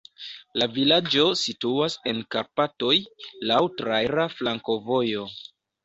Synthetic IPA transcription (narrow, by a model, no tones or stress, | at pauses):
lavilad͡ʒo̞situase̞nkaɾpato̞jlawtɾajɾaflaŋko̞vo̞jo̞